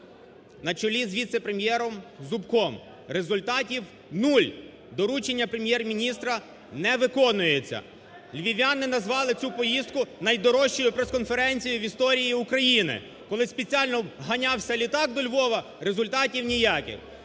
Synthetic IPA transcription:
nɐt͡ʃɔlʲizʋʲit̪sepɾe̞mʲjɛɾɔmzʊbkɔm | ɾe̞zʊlʲt̪ɑtʲiw | nulʲ | d̪ɔɾut͡ʃenʲːɐpɾemʲjɛrmʲinʲist̪ɾɐ | nɛʋɪkɔnʊjet͡sʲːɐ̰ | lʲʋʲiʋʲanɪnɐzʋɑlˠɪt͡sʲupɔjist̪̚kʊnɐjd̪ɔɾɔʃt͡ʃɔjʊpɾeskɔnfe̞ɾɛnʲt͡sʲijʊʋʲist̪ɔɾʲijiʊkɾɐjinɪ̰ | kɔlˠɪspet͡sʲialʲnɔɦɐnʲɑwsʲɐlʲit̪ɑɡ̚d̪ɔlʲʋɔʋɐ | ɾe̞zʊlʲt̪ɑtʲiwnʲijakʲɪ̰x

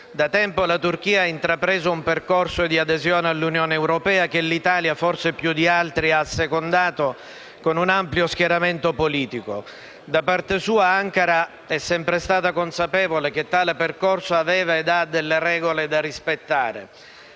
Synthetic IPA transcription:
d̪at̪ɛmpolat̪urk̟iːaaint̪ɾapɾɛːzoumperkorsoed̪iad̪ezjoːnealːunjoːneːwɾopɛːak̟elːit̪aːljaforsepjud̪ialt̪ɾiasːekond̪aːt̪o | konunampljosk̟jaɾament̪opoliːt̪iko | d̪apart̪esuːaaŋkaɾa | ɛsːɛmpɾest̪aːt̪akonsapɛːvolek̟et̪ːaːleperkorsoavɛːvaed̪ad̪elːeɾɛːɡoled̪arispet̪ːaːɾḛ

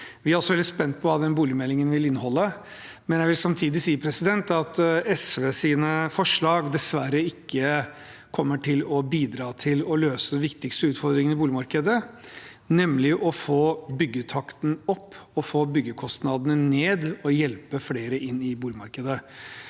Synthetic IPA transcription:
ʋɪæɾɔsːɔʋɛld̪ɪspɛnt̪̚pʰɔʋɑːd̪ɛnbuːlɪmɛlːɪŋənʋɪlɪnːəhɔlːə | mɛnjæɪʋɪlsɑmt̪ʰiːd̪ɪsiːəpʰɾɛsɪd̪ɛnt̪ɑt̪ɛsʋeːsiːnəfɔʂɭɑːɡd̪ɛsʋæɾəɪkʰːə | kʰɔmːəʈʰɪlɔbiːd̪ɾɑːt̪ʰɪlɔløːsəʋɪkt̪ɪkst̪əʉːt̪fɔɾd̪ɾɪŋənɪbuːlɪmɑɾkəd̪ə | nɛmlɪʔɔfoːbʏɡːət̪ʰɑkt̪n̩ɔpːɔfoːbʏɡːəkʰɔst̪nɑd̪ənəneːd̪ɔjɛlpəfleːɾəʔɪnːɪbuːlɪmɑɾkəd̪ə

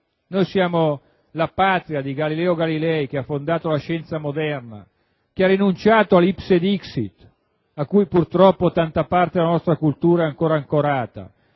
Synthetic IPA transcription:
nojsjaːmo | lapaːt̪ɾiad̪iɡalilɛːoɡalilɛjk̟eafːond̪aːt̪olaʃɛnt̪samod̪ɛrna̰ | k̟earinunt͡ʃaːt̪oalipsed̪iksit̪ | akːujpurt̪ɾɔpːot̪ant̪apart̪ed̪elanɔst̪ɾakult̪uːɾaɛaŋkoːɾaŋkoɾaːt̪a̰

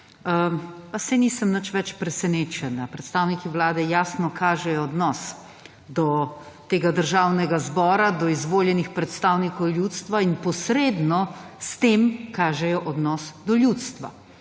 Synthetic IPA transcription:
əpasɛniːsəmnət͡ʃʋɛt͡ʃpɾɛsɛneːt͡ʃɛnapɾɛt̪st̪aːwnikiʋlaːd̪ɛjaːsnɔkʰaːʒɛjɔːd̪nɔs | d̪ɔ | t̪eːɡad̪əɾʒaːwnɛɡazbɔːɾad̪ɔizʋoːljɛnixpɾɛt̪st̪awnikɔwlʲjut̪st̪ʋainpɔsɾeːd̪nɔst̪emkaːʒɛjɔʔɔd̪nɔsd̪ɔljut̪st̪ʋa̰

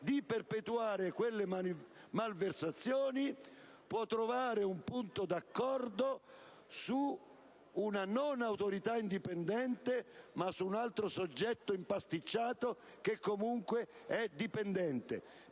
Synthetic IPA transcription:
d̪iperpɛt̪uaːɾekwelːe | malversat̪sːjɔːni | pwɔt̪ːɾovaːɾeumpunt̪od̪akːɔrd̪o | suː | nanɔnawt̪oɾit̪aind̪ipɛnd̪ɛnt̪emasuːnalt̪ɾosod͡ʒːɛt̪ːoimpast̪it͡ʃːaːt̪o | k̟ekːomuŋkweɛd̪ipɛnd̪ɛnt̪ḛ

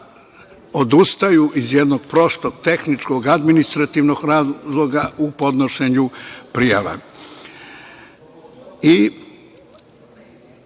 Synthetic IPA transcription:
o̞d̪ust̪ajuʔizjed̪no̞ɡ̥̚pɾo̞st̪oɡ̚t̪e̞xnit͡ʃkoɡad̪minist̪ɾat̪iʋno̞ɡɾaːzlˠo̞ɡaupo̞d̪no̞ʃe̞ɲupɾijaʋa̰ | i

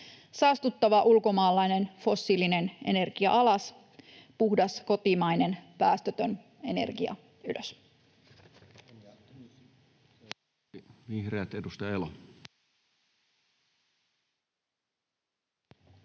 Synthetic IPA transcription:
sɑːst̪ut̪ːɑʋɑʔulko̞mɑːlːɑjne̞nfo̞sːiline̞ne̞̰ne̞rɡ̥iɑ̰ʔɑlɑs | puhdɑsko̞t̪imɑjne̞npæːst̪øt̪øn | e̞ne̞̰rɡ̥iɑ̰ | ylʔøs | ʋihreæt̪edust̪ɑelo

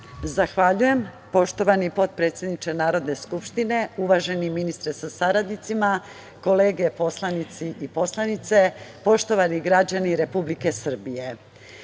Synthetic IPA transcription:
zaxʋaʎuje̞m | po̞ʃt̪o̞ʋanipo̞t̪̚pɾe̞ːt̪sjed̪nit͡ʃenaːɾo̞d̪ne̞skupʃt̪ine̞uʋaʒe̞niminist̪ɾesasaɾad̪nit̪sima | ko̞le̞ːɡe̞po̞slˠanit̪siʔipo̞slˠanit̪se̞po̞ʃt̪o̞ʋaniɡɾad͡ʑaniɾe̞publike̞sr̩bije̞

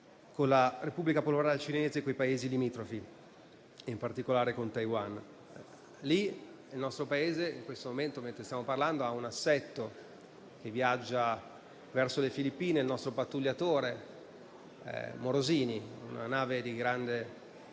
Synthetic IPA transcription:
konlarepubːlikapoloɾaːlet͡ʃineːzekːojpaeːzilimiːt̪ɾofi | impart̪ikolaːɾekont̪ajwan | linelnɔst̪ɾopaeːzeḭŋkwest̪omoment̪oment̪ɾest̪jamoparland̪oaunasːɛt̪ːo | kevːiad͡ʒːa | vɛrsolefilipːiːneilnɔst̪ɾopat̪ːuljat̪oːɾe | moɾoziːniṵna̰naːved̪iɡɾand̪e

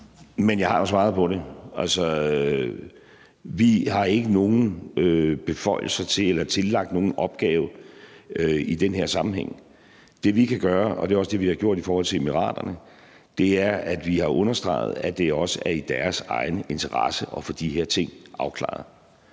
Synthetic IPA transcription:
menjɑ̈ɪhɑ̈josʋɑ̈ːðˠpʰɒ̽ɾe̝ælsɒ | ʋihɑ̈e̝ɡ̥əno̝ːn̩øb̥e̝fɒ̽ɪ̰l̩sɐt͡sʰe̝elɐt͡sʰe̝lːɑ̈ɡ̥̚d̥no̝ːn̩ʔɒ̽b̥̚ɡ̥ɛːʊ | øid̥enɦeɐsɑ̈mm̩heŋ̰ | d̥e̝ʋikʰæɡ̥ɶːɐɒ̽d̥e̝ɒ̽sd̥e̝ʋihɑ̈ɡ̥jo̝ɐ̰d̥ifɒːhɒ̽l̰t͡sʰe̝emiʁɑ̰̈ːd̥ɐnə | d̥e̝æɐæd̥ʋihɑ̈ʔɔ̽nɐsd̥ʁɑ̰̈ɪð̞̩ˠæd̥e̝ɒ̽səæɐid̥æɐsɑ̈ɪnəe̝nt͡sʰɐʁɑsəʔɒ̽fɒ̽d̥iɦeɐ̰t͡sʰe̝ŋ̰ʔɑ̈ʊkʰlɑ̰̈ːð̩ˠ

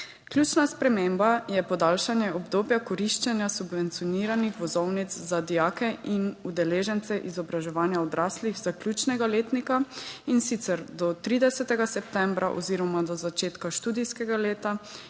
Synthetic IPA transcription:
kljuːt͡ʃnaspɾɛmembajɛpɔd̪aːlʃanjɛɔbd̪oːbjakɔɾiʃt͡ʃɛnjasubʋɛnt̪sijɔniːɾanixʋɔzɔwnit̪zzad̪ijaːkɛʔinud̪ɛleːʒɛnt̪sɛʔizɔbɾaʒɛʋaːnjaɔd̪ɾaːsliɣz̥akljuːt͡ʃnɛɡaleːt̪nikainsit̪sɛɾd̪ɔt̪ɾiːd̪ɛsɛt̪ɛɡasɛp̚t̪ɛmbɾʔaʔɔ̰ziːɾɔmad̪ɔzat͡ʃeːt̪kaʃt̪uːd̪ijskɛɡaleːt̪a

